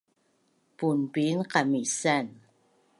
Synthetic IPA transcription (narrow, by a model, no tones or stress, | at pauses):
punpinqamisan